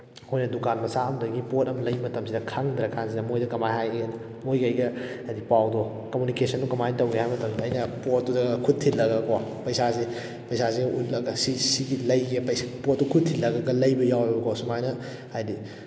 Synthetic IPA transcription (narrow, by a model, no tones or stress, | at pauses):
hojnɐdukanmɐsaɐmdɐɡipot̚ɐmlɐjmɐtɐmsidɐkʰaŋd̪ɾɐkʰansidɐmojdɐkɐmajɦajenɐ | mojkɐjɡɐɐdipawdo | kɐmunikesɐnːukɐmajntɐwɡehajmɐtɐmsɐɐjnɐpot̚ːudɐɡkʰut̚ʰilːɐɡɐkopɐjsazi | pɐjsaziɡɐʔut̚lɐɡɐsisiɡilɐjɡepɐjspot̚ːukʰud̚tʰilːɐɡɐɡɐlɐjbɐjawɐbɐkosumajnɐ | ajdi